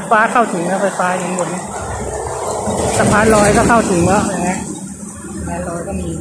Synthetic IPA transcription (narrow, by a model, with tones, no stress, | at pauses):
faː˧˥kʰa˥˩wt̪ʰɯ˩˦ŋkɔː˥˧˩pʰa˧˩faː˧˥ji˨˩˦ŋbo˨˩˦n | sa˧pʰaː˧˥nɾɔː˧˥jkɔː˥˩kʰa˥˩wt̪ʰɯ˩˦ŋkɔː˧˩ja˨˧˩ŋma˦˥ | sa˧pʰaː˧˥nlɔː˧jkɔː˥˩miː˧